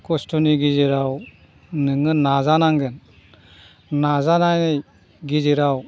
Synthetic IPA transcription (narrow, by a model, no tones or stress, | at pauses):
kɔstɔniɡiziɾaw | nɯŋɯnazanaŋɡɯn | nazanajnɯj | ɡiziɾaw